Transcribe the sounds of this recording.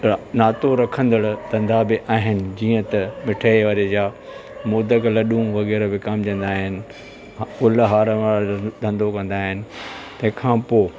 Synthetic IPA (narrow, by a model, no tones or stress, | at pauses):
naːt̪oɾɐkʰə̃nd̪əɽʊt̪ɐ̃nd̪ʱabɪʔaːɦɪnɪ̆d͡ʑiːə̃t̪ɐmɪʈʰaːeʋaːɾed͡ʑaːmoːd̪əklɐɗũʋɐɣɛːɾbɪkɐmd͡ʑə̃n̆d̪aːɦɪnɪ̆ | ʊlɦaːɾʋaːɾd̪ʱɐ̃nd̪okɐ̃nd̪aːɦɪnɪ̆t̪ɐ̃ɦkʰãːpoː